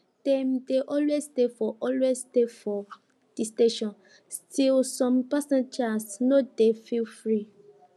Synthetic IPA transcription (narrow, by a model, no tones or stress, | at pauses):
d̥ẽmdeʔɔlwestefɔʔɔlwezstefɔ | d̥isteʃɔ̃n | stilsɔ̃mpasãnd͡ʒasnodefilfɹi